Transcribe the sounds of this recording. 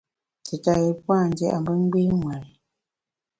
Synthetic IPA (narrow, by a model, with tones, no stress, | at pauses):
te˨ta˨ɣe˨pa˦˨n˦d͡ʒɛ˦˨ʔa˨mbə˦ŋ˦ɡ͡be˦ŋwa˨l